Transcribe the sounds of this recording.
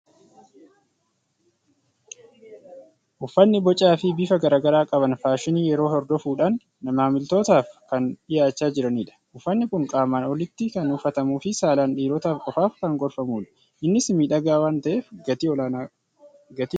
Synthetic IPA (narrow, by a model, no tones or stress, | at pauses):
ʔʊfːɐnːɪbɔt͡ʃʼːaːfɪbiːfɐɡɐɾaːɡɐɾaːkʼɐbɐnfaːʃɪniːjɛɾo̞ːɦɔɾd̪ɔfuːᶑaːnː | ɐmaːmɪlt̪o̞ːt̪aːfkɐnᶑɪjaːt͡ʃːaːd͡ʒɪɾɐniːᶑɐ̥ʔʊfːɐnːɪkʊŋkʼaːmaːnɔlɪt̪ːɪkɐnʊfːɐt̪ɐmuːfɪsaːlaːnᶑiːɾɔt̪aːfkʼɔfaːfkɐŋɡɔɾfɐmuːᶑɐ̥ | ʔɪnːɪsmiːᶑɐɡaːwaːnt̪ɐʔeːfɐt̪ː | ɡɐt̪